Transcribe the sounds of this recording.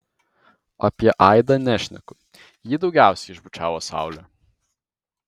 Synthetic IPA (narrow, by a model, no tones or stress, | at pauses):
ɐ̰pʲiɛʔɐˑɪd̪ɐnʲæʃʲnʲɛ̰kʊ | jɪd̪ɒʊɡʲæˑʊsʲɛɪɪʒbʊt͡ʃʲæːʋoːsɑ̰ˑʊlʲo